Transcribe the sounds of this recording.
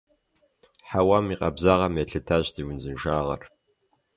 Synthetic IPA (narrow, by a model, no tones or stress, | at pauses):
ħawamiqʼɐbzaʁɐmeɬɨtʰaɕtiwʊnzɨnʒaːʁɐ̰r